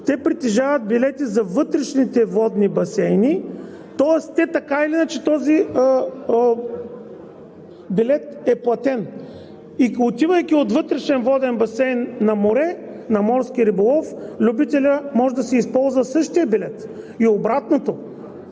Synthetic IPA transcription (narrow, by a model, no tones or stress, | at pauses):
t̪ɛpɾit̪ɛʒavɐt̪̚bilɛt̪izɐvɤt̪ɾɛʃnit̪ɛvɔd̪nibɐsɛjni | t̪ɔɛst̪ɛt̪ɐkailinɐt͡ʃɛt̪ɔzi | bilɛt̪ɛplˠɐt̪ɛn | iot̪ivəjk̟ʲiot̪vɤt̪ɾɛʃɛnvɔd̪ɛnbɐsɛjnːɐmoɾɛnɐmɔɾskiɾibolˠɔflʲubit̪ɛlʲəmɔʒɛd̪ɐsɛispɔlˠzvɐsɤʃt̪iəbilɛt̪ | iobɾat̪not̪o